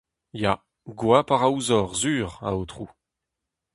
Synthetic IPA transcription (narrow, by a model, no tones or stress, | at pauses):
ja | ɡwapaʁauzɔʁzyːʁa̰ot̪χu